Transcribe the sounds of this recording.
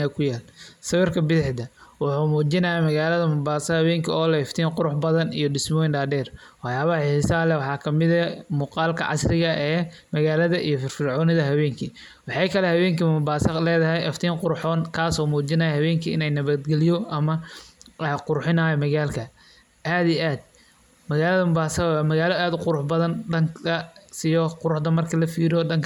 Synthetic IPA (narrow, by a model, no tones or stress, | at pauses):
ɛkʰʊjaːlsɐβɪrkʰɐbɪðɪħd̪ɐwɑħuːmuːt͡ʃɪnɐjɐmɐɣaːlɐðɐmʊbaːsɐhɐβɛːŋkʰɐɔːlɛɛft̪ʰiːnqʊɾʊħbɐðɐnijɔɖɪsmɔjɪnɖaːɖɛːrwɑħjaːβɐhɐɪsɐlɛwɑħɑːkʰɐmɪðɐmuːqɑːlkʰɐ̰ʕɑ̰srɪɣɐʔɛː | mɐɣaːlɐðɐʔḭjɔfɪrfɪrʕɔːnɪðɐɦɐβɛːŋkʰi | wɑħɑjkʰɐlɛhɐβɛːŋkʰɐʊbaːsɐlɛːðɐɦɛjʔɛft̪ʰiːŋqʊɾʊħɔːnkʰaːsɔːmuːt͡ʃɪnɐːjɐhɐβɛːŋkʰiɪnɛjnɐβɐd̪ɡɛlɪjɔʔɐmɐ | qʊɾħɪnaːjɔmɐɣaːlkʰɐ | ʔaːd̪iʔaːd̪̥̚ | mɐɣaːlɐðɐmʊbaːsɐwːmɐɣaːlɐaːd̪ʊqʊɾʊħbɐðɐnɖɐŋkʰɐsɪjɔqʊɾʊħd̪ɐmɐrkʰɐlɐfiːɾɪɔːɖɐŋkʰɐ